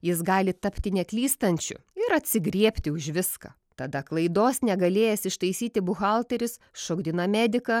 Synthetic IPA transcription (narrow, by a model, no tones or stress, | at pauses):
jɪsɡɑːlʲɪt̪ɐpʲt̪ʲɪnʲɛklʲiːst̪ɐnʲt͡ʃʲʊ̰ɪɾɐt̪ʲsʲɪɡɾʲiɛpʲt̪ʲɪʊʒʲʋʲɪskɐ̰ | t̪ɐd̪ɐklˠɐɪd̪oːsnʲɛɡɐlʲeːjɛsʲɪʃt̪ɐɪsʲiːt̪ʲɪbʊxɑlˠt̪ʲɛɾʲɪs | ʃoːɡd̪ʲɪnɐmʲæːd̪ʲɪkɐ